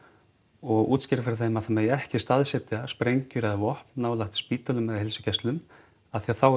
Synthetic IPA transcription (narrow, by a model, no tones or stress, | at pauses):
ɔɣṵːt̪scɪɾɪfɛɾθemːaθamejɛhcɪst̪aðsɛt̪ɪaspɾejɲcʏɾɛðavɔhpnnaːwlaxt̪spiːt̪œlʏmːɛðhɪlsʏ̥cɛslʏm | aðθiaθaw